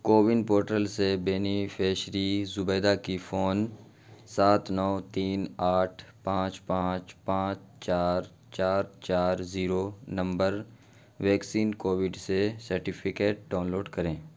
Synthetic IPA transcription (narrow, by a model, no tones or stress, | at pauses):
koːʋɪnpoːɾʈəlsebeːnifʰeːʃɾizʊbeːd̪akifʰoːn | saːt̪nɔːt̪iːnaːʈʰpãːt͡ʃpãːt͡ʃpãːt͡ʃ | t͡ʃaːɾ | t͡ʃaːɾt͡ʃaːɾziːɾonɐ̃mbəɾ | ʋɛːksiːnkoːʋɪɖsesəɾʈɪpʰɪkeːʈ̚ɖaːʊnloːɖkəɾẽː